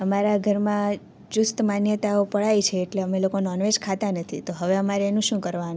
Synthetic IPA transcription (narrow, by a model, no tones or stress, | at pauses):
əmaɾaɡʱəɾmã | d͡ʒust̪manjət̪aopəɭajt͡ʃʰeːʈleəmelokonɔnʋed͡ʒkʰat̪anət̪ʰit̪oɦəʋeəmaɾeːnũʃũkəɾʋan